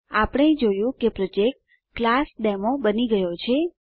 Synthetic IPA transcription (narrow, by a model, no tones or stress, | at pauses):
apɽ̃ed͡ʒojũkepɾod͡ʒek̚ʈ | klasɖɛmobəniɡəjot͡ʃʰe